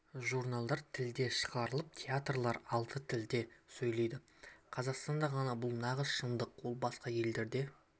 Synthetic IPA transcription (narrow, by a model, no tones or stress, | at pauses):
ʒurnalˠd̪ɑɾt̪ʰɪld̪e̞ʃə̥ʁɑɾəlˠəp̚t̪ʲʰeat̪rlˠɑɾɑlˠt̪ʰət̪ʰɪld̪e̞sɵjlˠe̞jd̪ɪ | qʰɑzɑqst̪ɑnd̪ɑʁɑnɑbʊlˠnɑʁəsʃənd̪əqwo̞lˠbɑsqɑje̞ld̪e̞ɾd̪e̞